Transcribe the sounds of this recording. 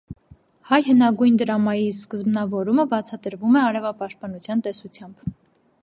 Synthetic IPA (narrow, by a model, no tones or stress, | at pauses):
hɑjhənɑɡujnd̪əɾɑmɑjiskəzbnɑvɔɾuməbɑt͡sʰɑt̪əɾvumɛɑɾɛvɑpɑʃt̪̚pɑnut͡sʰjɑnt̪ɛsut͡sʰjɑmb̥